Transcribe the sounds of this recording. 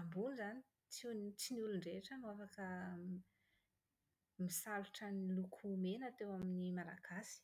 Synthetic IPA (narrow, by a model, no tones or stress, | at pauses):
ambunizani̥ | t͡sunt͡sinuluɳɖ͡ʐeʈ͡ʂəmafakə | misaluʈ͡ʂanilukʰumenat̪ewaminimala̰ɡ̥asi̥